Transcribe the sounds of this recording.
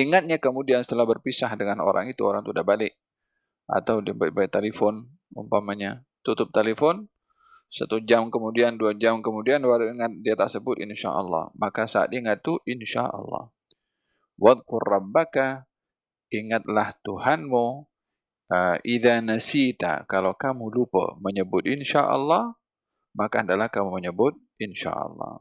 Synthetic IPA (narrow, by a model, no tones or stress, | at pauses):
iŋat̪̚ɲakəmudiansə̥t̪əlahbərpisahdəŋano̰ɾʔa̰ŋit̪uoɾaŋt̪udabalɪk̚ | ʔa̰t̪awdiabalbalɛt̪elefɔn | ṵmpamaɲa | t̪ut̪ʊp̚t̪elefɔn | sa̰t̪ud͡ʒamkəmudianduad͡ʒamkəmudianwaɾuiŋat̪̚diat̪asəbʊt̪inʃa̰ʔɑ̰lːɑ̰hmakasa̰ːt̪iŋat̪ːuʔinʃa̰ʔɑ̰lˤːɑ̰h | waðkʊrːɑbːaka | iŋat̪̚laht̪uhanmu | ʔəʔiðanasit̪a̰kalawkamulupə̰məɲəbʊt̪̚inʃa̰ʔɑ̰lːɑh | makaəndalahkamuməɲəbʊt̪̚ | inʃa̰ʔɑ̰lːɑ̰